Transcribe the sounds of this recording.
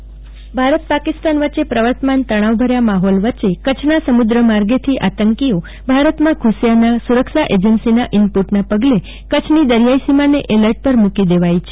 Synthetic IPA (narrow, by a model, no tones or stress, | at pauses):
bʱaɾət̪̚pakɪst̪anʋət͡ʃːepɾəʋəɾt̪mant̪əɽ̃aʋbʱəɾjamaɦɔlʋət͡ʃekət͡ʃʰnasəmud̪ɾəmaɾɡet̪ʰiʔat̪əŋkio | bʱaɾət̪mãkʰʊsjanasuɾəkʃaʔed͡ʒənsinaʔɪmpuʈnapəɡle | kət͡ʃʰnid̪əɾjaisimaneʔeləɾʈ̚pəɾmũkid̪eʋajt͡ʃʰe